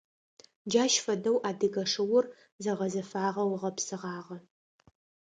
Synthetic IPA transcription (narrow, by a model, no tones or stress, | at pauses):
d͡ʒaːʃfɐdɐwʔaːdɨɡɐʂɨwʊr | zɐʁɐzɐfaːʁɐwʁɐpsɨʁɑːʁɐ